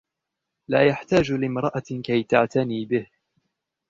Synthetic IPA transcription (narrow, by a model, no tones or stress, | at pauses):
laːjaħt̪aːd͡ʒlɪmɾˤɑʔakajt̪aʕt̪aniːbɪh